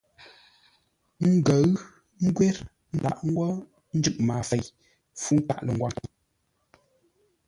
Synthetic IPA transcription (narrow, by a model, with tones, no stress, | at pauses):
ŋ̩˦ɡə˨˦ɰ | ŋ̩˦ɡwɛ˦ɾ | n̩˨da̰˨ʔŋ̩˦ɡwɔ˦ | n̩˦d͡ʒʉ˦ʔmaː˨fe˨j | fu˦n̩˦ta̰˦˨ʔlə˨ŋ˨ɡwa˨